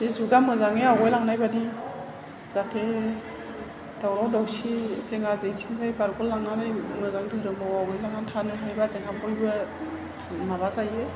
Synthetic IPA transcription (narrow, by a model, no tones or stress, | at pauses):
ezuɡamɯzaŋeawɔjlaŋnajbadi | zatʰe | d̥awɾawdawsizeŋazeŋsinkʰajbaɾkɔlːaŋnaɾajmɯzaŋdɯɾɯmawawɔjlaŋatʰanɯɦajbazeŋapɔjbɯ | mabazaje